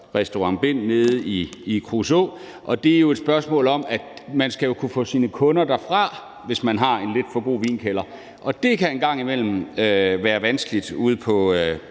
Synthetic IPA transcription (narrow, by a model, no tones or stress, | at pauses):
ʁɛsd̥oɑ̈ŋb̥e̝n̰neð̞ˠiikʰʁuso̰ː | ʔɒ̽d̥e̝æɐjo̝ed̥sb̥ɶɐsmɔ̰̽ːlɒ̽mæ̥mænsɡ̥æjo̝kʰufɔ̰̽ːsiːnəkʰɔ̽nɐd̥æɐfʁɑ̈ | ʋe̝smænɦɑ̈e̝nle̝d̥fɒ̽ɡ̥o̝̰ːʋḭːnkʰelɐ | ʔɒ̽d̥e̝kʰæenɡ̥ɑ̈ŋ̰imel̰m̩øʋæːɐʋænsɡ̥əlid̥uð̞̩ˠpʰɒ̽